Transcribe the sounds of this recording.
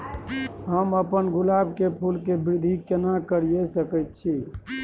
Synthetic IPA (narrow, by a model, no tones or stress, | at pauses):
ɦəməpənɡulabʱkepʰulkebɾid̪ʱikenakəɾijesəkəjt̪̚t͡ʃʰi